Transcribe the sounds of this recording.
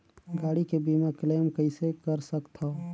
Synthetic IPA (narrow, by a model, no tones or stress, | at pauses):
ɡaːɽikebiːmakleːmkəɪsekəɾsəkt̪ʰo